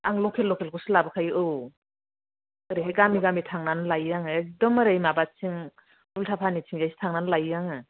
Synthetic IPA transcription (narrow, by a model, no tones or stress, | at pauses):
aŋlɔkʰelːɔkʰelkʰusɯlabɯkʰajɯʔɯw | ɯɾeɦeɡamiɡamitʰaŋnanlajjaŋɯdɔmɯɾajmabat͡ʃiŋ | bultʰapʰanit͡ʃʰiŋd͡ʒajsi̥tʰaŋnanlajjaŋɯ